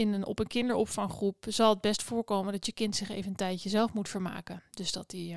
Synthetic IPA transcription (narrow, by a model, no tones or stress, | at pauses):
ɪnənɔ̰pənkɪndəɹɔpfɑŋχrupz̥ɑlˠəd̚bɛstfʊːɹkowməndɑtəkɪntsɪχḛjvənəntɛjtjəzɛlˠfmutfəɹma̰ːkədɵzd̥ɑti